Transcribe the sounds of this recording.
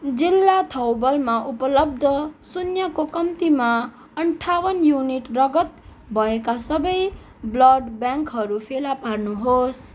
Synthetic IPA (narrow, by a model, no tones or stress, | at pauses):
d͡zilːat̪ʰʌwbʌlmaʔupʌlʌb̚d̪ʱʌsunjʌkokʌmt̪ima | ʌɳʈʰawʌnjuniʈrʌɡʌt̪ | bʱʌekasʌbʌj | blʌɖbjãŋkɦʌɾupʰelaparnuɦos